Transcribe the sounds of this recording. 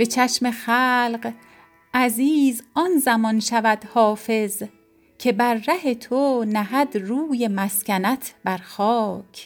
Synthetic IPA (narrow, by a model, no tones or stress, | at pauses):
b̥e̞t͡ʃʰæʃme̞xæːlɢ | ʔæziːzɒnzæmɒnʃævæd̪̥hɒːfe̞z | cʰe̞bæɾːæhe̞t̪ʰonæɦæd̪ɾuːje̞mæscʲænæt̪ʰb̥æɾxɒːcʰ